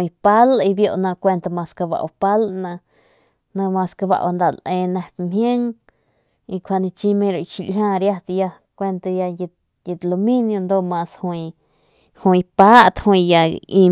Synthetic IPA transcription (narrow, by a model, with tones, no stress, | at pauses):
i˧pa˦li˧bjo˧ʔnã˧kʷe˧nt̪a˧mã˧ska˧ba̰˧ʔwa˧pa˦lnã˧ | nã˧mã˧ska˧ba̰˧ʔwa˧nd̪a˧lʔẽ˧nẽ˧mhje˦ŋ | i˧kʷʰa˧nĩ˧t͡ʃĩ˧mẽ˧ɾa˧˨ʃi˧lhʲãː˦˧ɾja˧t̪ja˧ | kʷe˦˧nt̪a˧ja˧je˧ | je˧t̪lo˧mĩ˦njo˧nd̪o˦˧mã˧shwu˧ | hũ˧i˧pa˦ʔt̪hwĩ˧ja˧i˧